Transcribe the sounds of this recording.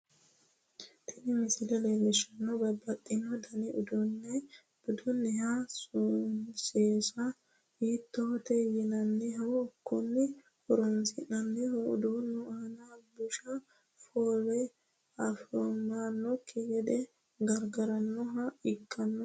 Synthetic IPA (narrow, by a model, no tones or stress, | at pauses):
t̪ʰɪnɪmɪsɪlɛlelɛʃɐnːɔbɐbɐt̪ʼːɪnːɔd̪ɐnɛʊd̪ʊnːɛ | bʊd̪ʊnːɛhasʊseːsɐ | hiːt̪ːɔɔt̪ɛjɪnɐnːɛɦɐwɔːkːɔnːɛ | hɔɾɔnsɪnɐnːɛhʊ̰d̪unːɔhɐnɐbʊʃɐ | fɔːɾɛ | ɐfɾɔmanːɔkʰːɪɡɛd̪ɛ | ɡɐɾɡɐɾɐnːɔɦɐɪkʼːɐnːɔ